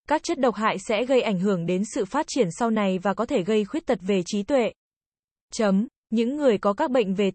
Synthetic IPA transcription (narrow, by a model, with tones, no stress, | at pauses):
kaː˦˥k̚t͡ɕə˦˥t̚ɗə˨˩wk͡p̚ɦa̰ː˧˨jsɛ̰˧˥ɣə˧jʔa˧˩jŋ̟ɦɨ˧˩əŋɗe˨˦nsɨ̰˧˨faː˦˥t̚t͡ɕi˧˩ənsa˧wna˨˩jvaː˨˩kɔ˨˦t̪ʰe˧˩ɣə˧jxwi˦˥ət̚t̪ʰə˨˩t̚ve˨˩t͡ɕi˨˦t̪wḛ˧˨ | t͡ɕə˨˦m | ɲɨ̰˧˥ŋːɨ˨˩əjkɔ˨˦kaː˦˥k̚ɓə̰˧˨jŋ̟ve˨˩